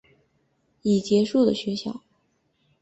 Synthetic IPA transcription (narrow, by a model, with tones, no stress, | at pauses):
i˨˩t͡ɕjɛ˧˥ʂu˥˩d̪ə˩ɕɥɛ˧˥ɕjɑ̰˥˩˦ʊ